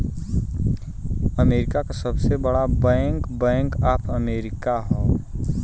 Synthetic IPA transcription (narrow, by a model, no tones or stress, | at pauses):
əmeːɾɪkakasɐbsebəɽabɛ̃ːŋkbɛ̃ːŋkaːpəmeːɾɪkaɦoː